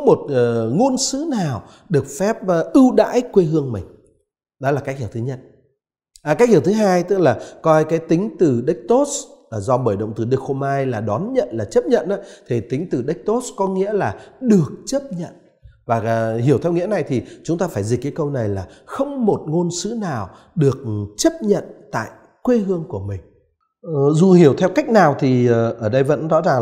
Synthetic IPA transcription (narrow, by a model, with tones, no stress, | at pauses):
mo˨˩t̚ːŋo˧nsɨ˨˦naː˨˩w | ɗɨ˨˩ək̚fɛ˦˥p̚ːʔɨ˧wɗa̰ː˧˥jkwe˧ɦɨ˧əŋmï˨˩ŋ̟ | ɗɔ˨˦laː˨˩ka˦˥k̚hi˧˩wt̪ʰɨ˨˦ɲə̰˦˥t̚ | ʔaː˨˩ka˦˥k̚hi˧˩wt̪ʰɨ˨˦ɦaː˧jt̪ɨ˦˥k̚laː˨˩kɔ˧jkaː˨˦jt̪ï˨˦ŋ̟t̪ɨ˨˩ɗə˦˥k̟̚t̪o˦˥tszɔ˧ɓəː˧˩jɗə̰˧˨wŋ͡mt̪ɨ˨˩ɗɨ˨˩ək̚ho˧mhaː˧jlaː˨˩ɗɔ˨˦nɲə̰˧˨nlaː˨˩t͡ɕə˦˥p̚ɲə̰˧˨nʔaː˨˦t̪ʰi˨˩t̪ï˨˦ŋ̟t̪ɨ˨˩ɗə˦˥k̚t̪o˦˥tskɔ˨˦ŋḭ˧˥əlaː˨˩ɗɨ˨˩ək̚t͡ɕə˦˥p̚ɲə̰˧˨n | vaː˨˩˨hi˨˩əwt̪ʰɛ˧wŋi˧˥əna˨˩jt̪ʰi˨˩t͡ɕʊ˨˦ŋ͡mt̪aː˧faː˧˩jzi̟˨˩kːaː˨˦jkə˧wna˨˩jlaː˨˩xə˧wŋ͡mmo˨˩t̚ŋo˧nsɨ˨˦naː˨˩w | ɗɨ˨˩ək̚t͡ɕə˦˥p̚ɲə̰˧˨nt̪a̰ː˧˨j | kwe˧ɦɨ˧əŋku˧˩əmï˨˩ŋ̟ | zu˨˩hi˧˩əwt̪ʰɛ˧wka˦˥jk̟̚naː˨˩wt̪ʰi˨˩˨ʔəː˧˩ɗə˧jvə̰˧˥nzɔ̰˧˥zaː˨˩ŋ